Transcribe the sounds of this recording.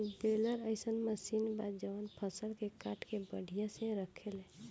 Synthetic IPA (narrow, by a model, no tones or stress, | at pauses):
beləɾəɪsənməsinbad̪d͡ʒəʋənpʰəsəlkekaʈʰkebəɽ̤ʱijasẽɾəkʰelẽ